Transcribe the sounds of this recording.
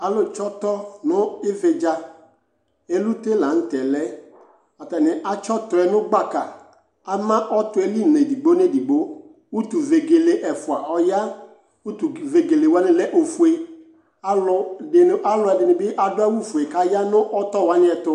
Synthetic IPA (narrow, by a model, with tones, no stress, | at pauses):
a˨lʊ˦t͡ʃɔ˦t̪ɔ˦nʊ̃˦ɪ˦ve˨d͡ʒa˦ | e˦lu˦te˦la˨n̩˦tɛ˨lɛ˦ | a˨tɛ˨nɪ˨ʔa˨t͡ʃɔ˦tʊ˨ɛ˨nʊ̃˦ɡ͡ba˦ka˨ | a˦mã˦ʔɔ˦tʊ˦ɛ˦li˦˨ne˨di˨ɡ͡bo˦ne˦di˨ɡ͡bo˦ | wu˦tu˨ve˨ɡe˨le˨ʔɛ˨fʊ˨a˨ʔɔ˦ja˦ | u˦tu˨ve˨ɡe˨le˨wa˦nɪ̃˦lɛ˦ʔo˨fu˨e˨ | a˦lʊ˨dɪ˨n˦ʔa˨lʊ˨˦ɛ˨dɪ˨nɪ˨bɪ˦ʔa˨dʊ˦a˦wu˦fu˨e˨ka˦ja˦nʊ̃˦ʔɔ˦tɔ˦wa˦nɪ˦ɛ˨tʊ˦